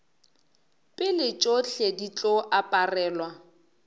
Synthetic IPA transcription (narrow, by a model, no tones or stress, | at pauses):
pʼɪlɪt͡ʃʼoɬedit͡ɬʼɔʔapʼarɛːlwa